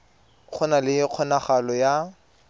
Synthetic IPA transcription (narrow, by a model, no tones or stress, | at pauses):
q͡χʰɔnalɪq͡χʰɔnaχalɔja